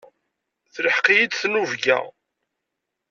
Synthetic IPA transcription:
θləħqijid̪θnuvɡæ̰

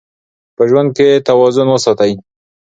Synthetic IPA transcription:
pəʒwand̪̚ket̪awɑzʊnwəsɑt̪aj

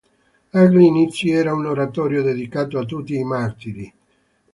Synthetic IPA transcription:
aɡlinit̪siɛːɾaunoɾat̪ɔːɾjod̪ed̪ikaːt̪oat̪ːut̪ːiːmart̪iɾi

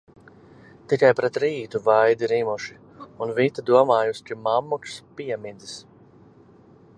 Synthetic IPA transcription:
t̪ikajpɾɛt̪ɾiːt̪uvajd̪iɾimuʃi | unvit̪ad̪uɔmaːjuskimamːukspiɛmid̪is

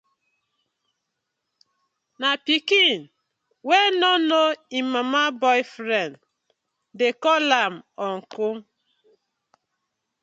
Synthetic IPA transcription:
napikin̩ | wenɔnoimamabɔɪfɾɛnd | dekɔlam̩ɔŋ̩kʊ

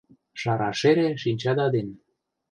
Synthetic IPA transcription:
ʃɑɾɑ̰ʃeɾeʃinʲt͡ɕɑd̪ɑd̪en

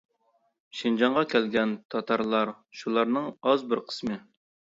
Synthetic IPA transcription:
ʃind͡ʒɑɴʁɑkʲʰælɡʲɛnt̪ʰɑt̪ʰɑɾlˠɑɾ | ʃulˠɑɾnɨŋɑzbɪɾqʰə̥smɨ

